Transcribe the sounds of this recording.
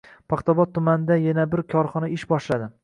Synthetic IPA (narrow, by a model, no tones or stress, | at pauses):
pʰɑχt̪ʰɒbɒt̪ʰːʊmanɪd̪ajanabɪɾkʲʰɒɾχɒnaɪʃbɒʃlad̪ɪ